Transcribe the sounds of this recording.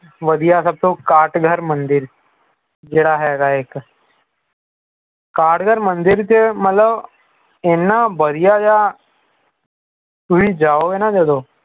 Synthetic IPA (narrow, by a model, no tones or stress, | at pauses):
ʋəd̪ijasəb̚t̪okaːʈɡʱəɾmə̃nd̪ɪɾ | d͡ʒeːɽaɦɛːɡaeːk | kaːʈɡʱəɾmə̃nd̪ɪɾt̪emət̪ləb | enːabəd̪ijad͡ʒa | t̪ubid͡ʒaːoɡenad͡ʒod̪oː